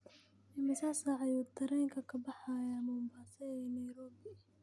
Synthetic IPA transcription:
ɪmɪsaːsaʕɑjuːd̪ɐɾɛːŋkʰɐkʰɐbɐħɑjamuːmbaːsɛɛnɐjɾɔːbɪ

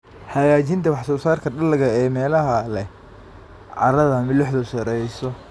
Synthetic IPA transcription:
ħɑjaːt͡ʃint̪ʰɐwɑħsɔːsaːrkʰɐɖɐlɐɣɐɛːmɛːlɐɦɐlɛ | ʕɑ̰ɾɐðɐmɪlɪħðɔsɐɾɛjsɔ

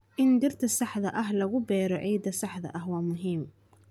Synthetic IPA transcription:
ʔɪnd̪ɪrt̪ʰɐsɑħðɐʔɐɦlɐɣʊbɛːɾɔʕiːd̪ɐsɑħd̪ɐ̰ʔɐɦwɑːmʊɦiːm

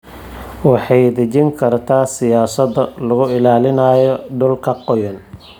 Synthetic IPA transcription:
wɑħɑjd̪ɐt͡ʃɪŋkʰɐrt̪ʰaːsɪjaːsɐd̪ɐlɐɣʊɪlaːlɪnaːjɔɖʊlkʰɐqɔjɐn

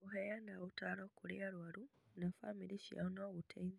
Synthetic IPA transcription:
uɦejanaβutaɾokuljaɾwaɾunafamiɾiʃa̰noːβutʰein

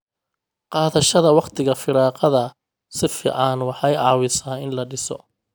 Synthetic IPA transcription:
qɑːðɐʃɐðɐwɑqt̪ʰɪɣɐfɪɾɑːqɐðɐ | sɪfḭːʕɑnwɑħɑjʕɑːwɪsaːɪnlɐɖɪsɔ̰

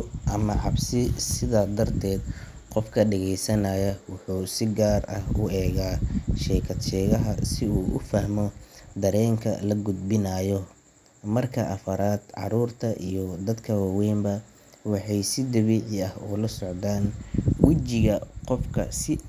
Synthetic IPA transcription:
ʔɐmɐʕɑbsɪsɪðaːd̪ɐrt̪ʰɛːd̪ | qɔfkʰɐɖɛɣɛjsɐnaːjɐwʊħuːsɪɡaːrɐhʊɛːɣaːʃɛːkʰɐd̪ʃɛːɣɐɦɐsɪuːʔʊ̰fɐhmɔd̪ɐɾɛːŋkʰɐ̰lɐɡʊd̪̚bɪnajɔ | mɐrkʰɐʔɐfɐɾaːd̪ʕɑ̰ɾuːrt̪ʰɐʔijɔd̪ɐd̪kʰɐwaːwɛːmbɐ | wɑħɑjsɪd̪ɐβiːʕɪɐhʊ̰lɐsɔʕd̪aːnwɪt͡ʃɪɣɐqɔfkʰɐ̰sɪ

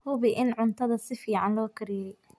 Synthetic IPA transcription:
hʊβɪʔɪnʕʊnt̪ʰɐðɐsɪfiːʕɑnlɔːkʰɪɾɪjɛj

